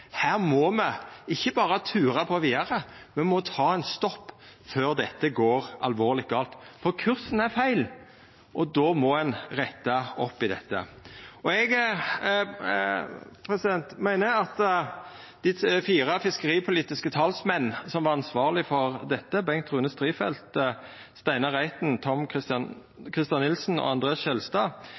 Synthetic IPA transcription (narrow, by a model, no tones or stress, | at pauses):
hæːʁmɔmɛɪçːəbɑːɾət̪ʰʉːɾɑpʰɔʋiːd̪ɑɾəmɛnmɔt̪ʰɑːɛnst̪ɔpː | føːʁd̪ɛt̪ːəɡoːɾɑ̰lʋoːʁlɪt̪̚ɡɑːlt̪fɔɾkʰʉɾsn̩æɾfæɪl | ʔɔd̪oːmɔɛnʁɛt̪ːɑɔpːɪd̪ɛ̰t̪ːə̰ɔɛɡ | pʰɾɛsɪd̪ɛnt̪mæɪnəɑt̪ | d̪̥ɪfiːɾəfɪskəɾiːpʰʊliːt̪ɪskət̪ʰɑlsmɛnːsɔmʋɑʁɑnsʋɑːʁlɪfɔɾd̪ɛt̪ːəbɛŋt̪ʰʁʉːnəst̪ɾiːfɛ̰lt̪ | st̪æɪnəʁæɪt̪nt̪ʰɔmɪst̪ | kʰɾɪst̪ɑnːɪlsn̩ɔ̰ɑnd̪ɾeːɑsʃɛlst̪ɑː